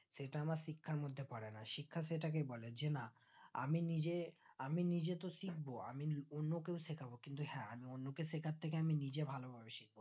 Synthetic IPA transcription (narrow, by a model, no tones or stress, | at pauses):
ʃeʈaamaɾʃikʰːaɾmod̪ʱːepɔɽenaʃikʰːaʃeʈak̬ebɔled͡ʑena | a̰minid͡ʑeaminid͡ʑet̪oʃik̚boa̰mionːokewsekʰabokint̪uhɛ̃amionːokesekʰaɾt̪ʰːek̬eaminid͡ʑebʱalobʱabeʃik̚bo